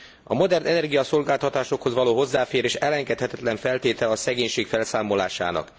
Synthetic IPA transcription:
ɒmo̞d̪ɛrnʔɛnɛrɡijɒso̞lɡaːlt̪ɒt̪aːʃo̞kho̞zʋɒloːɦo̞zːaːfeːɾeːʃɛlɛŋɡɛt̪hɛt̪ɛt̪lɛɱfɛlt̪eːt̪ɛlɒsɛɡeːɲʃeːkfɛlsaːmo̞la̰ːʃa̰ːnɒ̰k

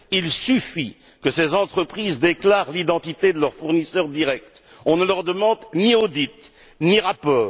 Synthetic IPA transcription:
ilsyfi | kəsezɑ̃t̪χəpχizd̪eklaʁlid̪ɑ̃t̪it̪ed̪əlœʁfuʁnisœʁd̪iʁɛk̚t̪ | ɔ̃nəlœʁd̪əmɑ̃d̪niod̪it̪ | niʁapɔːʁ

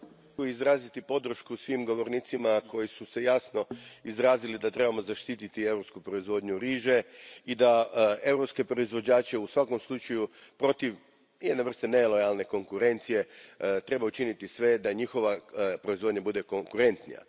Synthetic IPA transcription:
oizɾaːzit̪ipo̞d̪ɾ̩ʃkusʋimɡo̞ʋo̞ɾniːt̪simako̞jisuse̞jasno̞izɾaːzilid̪at̪ɾe̞bamo̞zaʃt̪it̪it̪ie̞vɾo̞pskupɾo̞izʋo̞d̪ɲuɾiːʒe̞id̪ae̞vwɾo̞pske̞pɾo̞izʋo̞d͡ʑaːt͡ɕe̞usʋako̞mslˠut͡ʃajupɾo̞t̪iʋ | jed̪neʋr̩st̪ene̞lˠo̞jalˠne̞ko̞ŋkuɾe̞nt̪sije̞t̪ɾe̞baut͡ʃinit̪isʋe̞d̪aɲixo̞ʋapɾo̞izʋo̞d̪ɲabud̪e̞koŋkuɾe̞nt̪nḭja̰

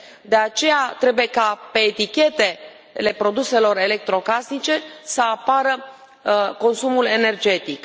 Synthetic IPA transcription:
d̪e̞at͡ʃe̞jat̪ɾe̞buje̞kape̞ːt̪ikʲe̞t̪e̞ | le̞pɾo̞d̪use̞lo̞re̞le̞k̚t̪ɾo̞kasnit͡ʃe̞səapaɾə | ko̞nsumule̞ne̞rd͡ʒe̞t̪ik

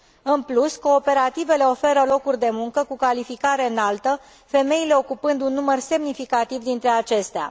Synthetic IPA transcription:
ɨnplusko̞ːpe̞ɾat̪ive̞le̞o̞fe̞ɾəlo̞kurʲd̪e̞muŋkəkukalifikaɾe̞ɨnalt̪ə | fe̞me̞ile̞o̞kupɨnd̪unːumərse̞mnifikat̪ivd̪int̪ɾe̞at͡ʃe̞st̪ea̰

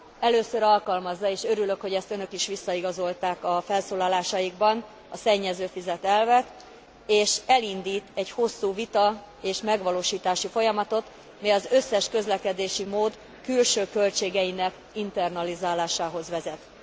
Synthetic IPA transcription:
ɛløːsøɾɒlkɒlmɒzːɒeːʃø̞ɾylø̞kho̞ɟɛst̪ønø̞kiʃʋisːɒiɡɒzo̞lt̪aːkɒfɛlsoːlɒlaːʃɒjiɡ̚bɒn | ɒsɛɲːɛzøːfizɛt̪ɛlvɛt̪ | eːʃɛlind̪iːt̪ɛɟho̞sːuːvit̪ɒ | eːʃmɛɡʋɒloːʃiːt̪aːʃifo̞jɒmɒt̪o̞t̪ | mɛjɒzø̞sːɛʃkø̞zlɛkɛd̪eːʃimoːd̪ | kylʃøːkø̞lt͡ʃeːɡɛjinɛk | int̪ɛrnɒlizaːlaːʃaːɦo̞zʋɛzɛt̪

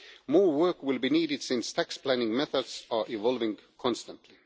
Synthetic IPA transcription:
mɔːwɜ˞kwɪlˠbiniːɾɪd̥sɪ̃nst̪ʰækspʰl̥ænɪ̃ŋmɛθədsə˞ʔɪvɔlˠvɪ̃ŋkʰɔ̃nstə̃ntʰli

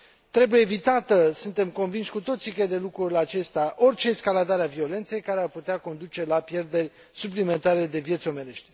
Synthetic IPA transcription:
t̪ɾe̞buje̞ːvit̪at̪əsunt̪e̞mko̞nvinʃʲkut̪o̞t̪sikəjd̪e̞lukɾulat͡ʃe̞st̪eaʔo̞rt͡ʃe̞ːskalad̪aɾeavio̞le̞nt̪se̞jkaɾearput̪eako̞nd̪ut͡ʃe̞lapje̞rd̪e̞rʲ | suplime̞nt̪aɾe̞d̪e̞vije̞t̪sʲo̞me̞ɾe̞ʃt̪ʲ

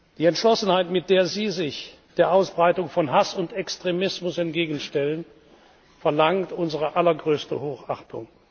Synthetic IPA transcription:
d̥iːɛntʃlɔsn̩haɪtmɪt̚d̥eːɐziːzɪç | d̥eːɐʔaʊsb̥ʁaɪtʊŋfɔnɦasʊntɛkstʁ̥emɪsmʊsɛnt̚ɡ̥eːɡn̩ʃtɛlən | fɛɐlaŋtʔʊnzəʁəʔalɐɡʁøːstə̰hoːxa̰χtʰʊ̰ŋ

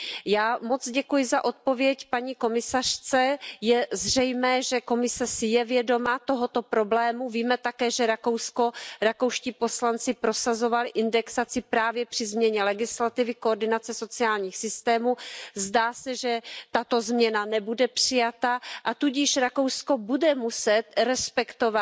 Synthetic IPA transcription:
jaːmo̞t͡sɟɛkujɪzaʔo̞t̪̚po̞vjɛcpaɲiːko̞mɪsar̝̥t͡sɛjɛzr̝ɛjmɛːʒɛko̞mɪsɛsɪjɛvjɛdo̞mat̪o̞ɦot̪o̞pɾo̞blɛːmuviːmɛt̪akɛːʒɛɾako̞wsko̞ɾako̞wʃciːpo̞slant͡sɪpɾo̞sazo̞valɪʔɪndɛksat͡sɪpɾaːvjɛpr̝̥ɪzmɲɛɲɛlɛɡɪslat̪ɪvɪkoːɾdɪnat͡sɛso̞t͡sɪaːlɲiːxsɪst̪ɛːmuzdaːsɛʒɛt̪at̪o̞zmɲɛnanɛbudɛpr̥ɪjat̪aʔat̪uɟɪʃɾako̞wsko̞budɛmusɛt̪ɾɛspɛkt̪ova

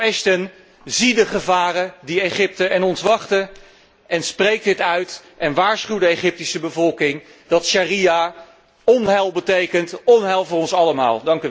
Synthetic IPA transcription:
ɛstən | zidəχəvaːrədieχɪp̚təʔɛnɔntʋɑχtə | ʔɛnsprejk̚dɪtœɥtʔɛnʋaːɹsχywdəeχɪp̚tisəbəvɔlˠkɪŋ | dɑtʃaria | ɔnɦɛlˠbətejkəntɔnɦɛlˠvʊːrɔnsɑləma̰ːlˠdɑŋk

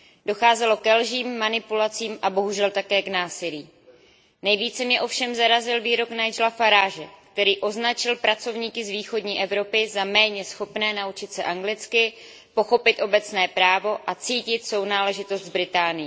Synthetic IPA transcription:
do̞xaːzɛlo̞kɛlʒiːmːanɪpulat͡siːmʔabo̞ɦuʒɛlt̪akɛːknaːsɪliː | nɛjviːt͡sɛmɲɛʔo̞fʃɛmzaɾazɪlviːɾo̞knajd͡ʒlafaɾaːʒɛkt̪ɛɾiːʔo̞znat͡ʃɪlpɾʔat͡so̞vɲiːkɪzviːxo̞dɲiːʔɛvɾo̞pɪzamɛːɲɛsxo̞pnɛːnaut͡ʃɪt̪sɛʔaŋɡlɪt͡skɪ | po̞xo̞pɪt̪ʔo̞bɛt͡snɛːpɾaːvo̞ʔat͡siːcɪt̪so̞wnaːlɛʒɪt̪o̞st̪vbɾɪt̪aːnɪjɛ

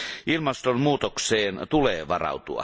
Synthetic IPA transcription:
ʔilmɑst̪onmuːt̪okseːnt̪uleːʋɑrɑ̰ut̪uɑ̰

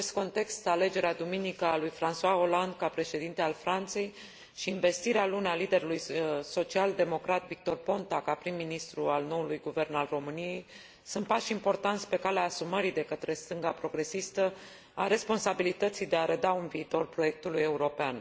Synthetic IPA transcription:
est̪̚ko̞nt̪e̞kst̪ale̞d͡ʒe̞ɾead̪uminikəalujfɾanswaoland̪kapɾe̞ʃe̞d̪int̪ealfɾant̪se̞j | ʃiːnve̞st̪iɾealunealid̪e̞ɾulujso̞t͡ʃiald̪e̞mo̞kɾat̪vik̚t̪o̞rpo̞nt̪akapɾimːinist̪ɾualno̞ulujɡuve̞rnalro̞mɨnije̞j | sunt̪̚paʃimpo̞rt̪ant̪sʲpe̞kaleaːsuməɾid̪e̞kət̪ɾe̞st̪ɨŋɡapɾo̞ɡɾe̞sist̪ə | aɾe̞spo̞nsabilit̪ət̪sijd̪e̞aɾed̪aunviːt̪o̞rpɾo̞je̞k̚t̪uluje̞uɾo̞pean

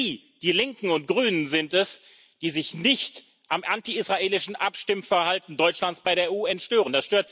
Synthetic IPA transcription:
iː | d̥iːlɪŋkŋ̩ʊnt̚ɡ̥ʁyːnənzɪntɛs | d̥iːzɪçnɪçt | ʔamʔantiisʁ̥aʔeːlɪʃn̩ʔapʃtɪmfɛɐhaltn̩dɔʏt͡ʃlant͡sb̥aɪɾeːɐuːɛntʃtøːʁ̞əndasʃtøːɐt

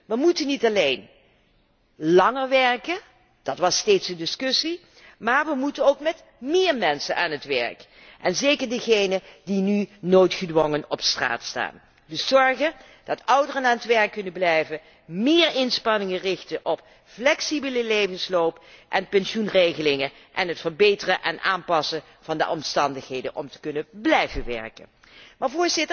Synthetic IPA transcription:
ʋəmutənːitɑlejn | lɑŋəɹʋɛɹkə | d̥ɑtʋɑstejtsdədɪskɵsi | maːɹʋəmutənowkmɛt | mɪːɹmɛnsə̰nʔaːnətʋɛ̰ɹk | ʔɛnzejkəɹdəɣejnədinynojtχədʋɔŋənɔpstra̰ːtsta̰ːn | dəszɔɹχə | d̥ɑtʌwdərənaːnətʋɛɹkːɵnəblɛjvə | mɪːɹɪnspɑnɪŋərɪxtənʔɔp | flɛksibələlejvənslowpʔɛnpɛnsunrejɣəlɪŋə | ʔɛnɦətfəɹbejtərəʔɛnʔa̰ːnpɑsə | v̥ɑndə̰ʔɔmstɑndəχɦejdə̰nʔɔ̰mtə̥kɵnəblɛjvənʋɛ̰ɹkə̰n | maːɹvʊːɹzɪtə

